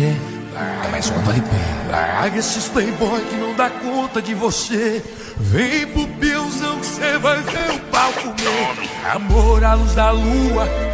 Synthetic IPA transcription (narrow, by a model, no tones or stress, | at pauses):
ɛ̰ | ama̰jzũmɐvalipɛ̰ɐa̰ɡesɪspẽj̃bɔjkɪnɐ̃w̃d̪akõt̪ɐkɪvose | vẽj̃pʊpẽɐw̃zɐ̃w̃ksevajveʊpawkʊmewa̰moɾaluzd̪ɐluɐ